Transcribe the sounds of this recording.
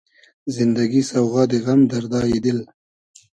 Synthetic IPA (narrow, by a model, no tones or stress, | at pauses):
zɪnd̪aɡisawɣɑd̪eɣamd̪aɾd̪ɑːjed̪ɪl